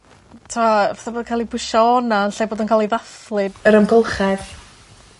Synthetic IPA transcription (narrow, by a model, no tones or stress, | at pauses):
tʰuaaθaboːdənkʰaːlˠibʊʃaɔnaənɬaːboːdənkʰaːlˠejðaθlˠɨd̥əɾəmɡʊlˠχɛð